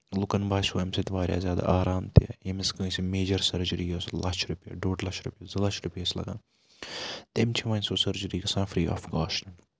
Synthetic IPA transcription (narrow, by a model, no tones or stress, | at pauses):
lʊkɐnbʱaːʃoːɐmsit̪ʋaːɾʲja̰ːzjaːd̪a̰ːʔaːɾaːmt̪ejemiskə̃ːsimeːd͡ʒɐɾsɐɾd͡ʒɐɾiːjɐslɐt͡ʃʰɾupḛːɖoːɖlɐʃɾupʲezlɐʃʰɾupeslɐ̰ɡã̰ːn | t̪emt͡ʃʰiʋɐ̃ːnʲsoːsɐɾd͡ʒɐɾiːɡɐsãːfɾiːa̰ːfɡaːʃnɐ